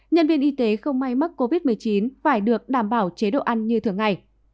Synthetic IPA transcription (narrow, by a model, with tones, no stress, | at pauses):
ɲə˧nvi˧ənʔi˧t̪e˨˦xə˧wŋ͡mma˧jma˦˥k̚ko˧vi˦˥t̚mɨ˨˩əjt͡ɕi˨˦nfaː˧˩jɗɨ˨˩ək̚ɗaː˧˩mɓaː˧˩wt͡ɕe˨˦ɗo̰˧˨ʔa˧nɲɨ˧t̪ʰɨ˧˩əŋa̰ː˧˩j